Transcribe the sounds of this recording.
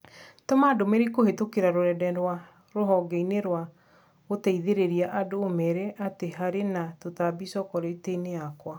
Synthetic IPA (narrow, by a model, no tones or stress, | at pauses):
tomadomeɾekohetokeɾaɾoɾɛdɛɾwa | ɾoɦɔɡɛineɾwa | ɣotɛiðeɾeɾiaʔadoːmɛɾɛʔateɦaɾenatotabisɔkɔɾeteineakwa